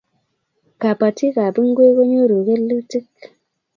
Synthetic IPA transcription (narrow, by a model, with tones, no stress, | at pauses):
ka˨pa˨ti˦ka˨pi˦ŋ˦ɡwe˦ko˦ɲo˦ɾu˨ke˦lːu˦ti˦k